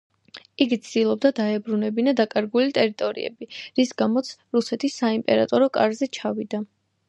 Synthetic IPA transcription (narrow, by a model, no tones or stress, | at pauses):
iɡit̪sʰd̪ilˠɔb̚d̪ad̪aɛbɾunɛbinad̪akʼaɾɡulit̪ʼɛɾit̪ʼɔɾḭɛ̰biɾisɡamɔt̪sʰɾusɛt̪ʰisːaimpʼɛɾa̰t̪ʼɔɾɔkʼa̰ɾzɛt͡ʃʰavid̪a